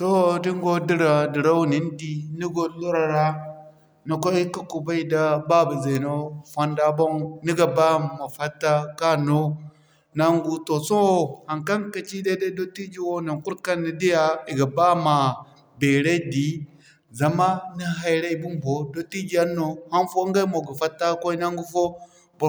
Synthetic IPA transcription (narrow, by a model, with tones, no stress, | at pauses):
to˦di˦ŋ˦ɡo˦di˦ɾa˨di˨ɾa˦wu˦ni˨˦n˦di˦ni˦ɡo˦lu˦ɾa˨ɾa˦ | na˨ko˦i˦ka˦ku˨ba˦i˦da˦ba˦ba˨ze˨no˦fa˦nda˦bo˦ŋni˦ɡa˨ba˦ma˨fa˦tːa˦ka˦no˦ | na˨ŋɡu˨to˨so˦wo˦ha˨ŋka˦nka˦t͡ʃi˦de˦de˦do˦ti˦d͡ʒi˦wo˦na˨nku˦ɾka˦nːi˨di˦ja˦i˨ɡa˨ba˦ma˨ | be˨ɾe˦di˨˦ | za˨ma˦ni˦ɦa˨jɾa˦i˨bu˦mbo˨do˦ti˦d͡ʒi˨a˦nːo˨ha˦nfo˦ŋɡa˦i˦mo˨ɡa˨fa˦tːa˦ko˦i˦na˦ŋɡu˦fo˦ | bu˨